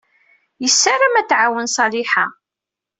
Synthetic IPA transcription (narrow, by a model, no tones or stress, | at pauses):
jəsːaɾəmæθʕawənsˤɑliħa